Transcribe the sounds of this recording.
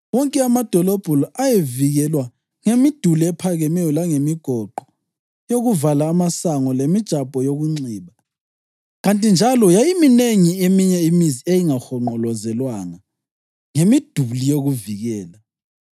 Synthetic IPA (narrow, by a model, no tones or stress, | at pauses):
wɔŋkʼɛamad̥ʱɔlɔb̥ʱulajeviɣɛlwa | ŋemid̥ʱuliɛpʰaɣɛmɛjɔlaŋemiɡ̥ʱɔǃʱɔ | joɣuvalaːmasaŋɔlemid̥ʒ̥ʱabʼʱɔjoɣuŋ͡ǀiːβa | ɣantʼind͡ʒʱalɔjajimineŋiemiɲɛimiziejiŋaxɔŋ͡ǃɔlɔzɛlwaŋa | ŋemid̥ʱulijoɣuviɣɛːla